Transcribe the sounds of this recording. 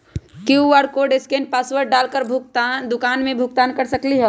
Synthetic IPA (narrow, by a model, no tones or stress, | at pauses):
kiuʋaɽkoɖeskenpaswəɾɖalkəɾbʱuk̚t̪and̪ʊkanmẽbʱuɡ̚t̪aːnkəɾsəkliɦə